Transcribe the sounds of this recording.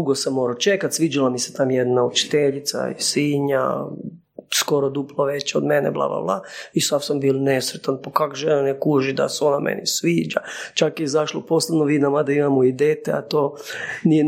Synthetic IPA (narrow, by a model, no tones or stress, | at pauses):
uɡosamːoɾat͡ʃekat̪ʲsʋiːd͡ʒalamiset̪amjed̪naut͡ʃi̥t̪eʎit̪sa̰ḭsiːɲa̰ | skoɾod̪uplˠoʋet͡ɕod̪menḛblˠa̰bla̰blˠaisafsambiːlnesɾet̪anpokakʒenanekuʒid̪a̰seo̞namʔḛnisʋiːd͡ʒa̰t͡ʃakjɛzaʃlopo̞slenoʋid̪namad̪aimamoid̪eːt̪ea̰t̪oːnije